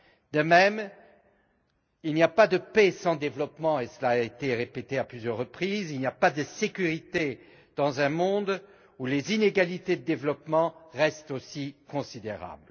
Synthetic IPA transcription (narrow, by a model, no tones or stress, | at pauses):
d̪əmɛm | ilnijapad̪əpesɑ̃d̪evlɔpmɑ̃esəlaːet̪eʁepet̪eaplyzjœʁːəpχizilnijapad̪əsekʲyʁit̪e | d̪ɑ̃zɛ̃mɔ̃d̪ | ulezineɡalit̪ed̪əd̪evlɔpmɑ̃ʁɛst̪osikɔ̃sid̪eʁa̰bl